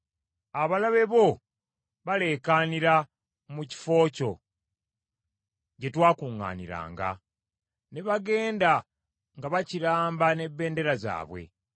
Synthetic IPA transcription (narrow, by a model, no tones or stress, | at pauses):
aβalaβe̞βo̞ | βale̞kaːniɾa | muci̥fo̞ːco̞ | ɟe̞twaːkuːŋːa̰ːnḭɾa̰ːŋɡa̰ | ne̞βaɡe̞ːnda | ŋɡaβaciɾaːmbane̞bːe̞ːnde̞ɾaza̰ːβwe̞̰